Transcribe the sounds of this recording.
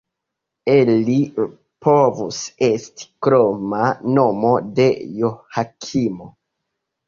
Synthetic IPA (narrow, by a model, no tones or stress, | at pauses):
eli | povuse̞sti̥kɾo̞mano̞mo̞de̞johakʰimo